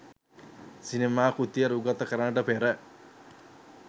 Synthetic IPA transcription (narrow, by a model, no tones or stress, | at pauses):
sinemaːkut̪ijɐɾuɡɐt̪ɐkɐɾɐnɐʈɐpeːɾɐ